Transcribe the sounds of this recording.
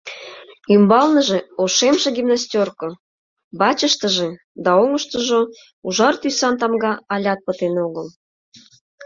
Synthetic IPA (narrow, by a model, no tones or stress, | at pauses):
ymbɑlnəʒe̽oʃemʒĕɡʲimnasʲtʲorko | bɑt͡ɕəʃt̪əʒe | d̪ɑoŋəʃt̪əʒo | uʒɑrt̪ysɑnt̪̬ɑmɣɑɑlʲɑt̪̚pət̪enoɣəl